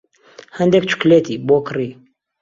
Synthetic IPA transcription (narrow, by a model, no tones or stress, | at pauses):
hɐnd̪ek̚t͡ʃʰʊ̥kleːt̪iːboːkʰɨriː